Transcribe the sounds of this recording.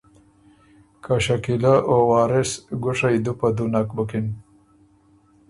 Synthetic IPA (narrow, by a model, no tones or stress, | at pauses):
kʰaʃakilaʔowɑːɾɪsɡʊʂajd̪upad̪unakbʊkɪn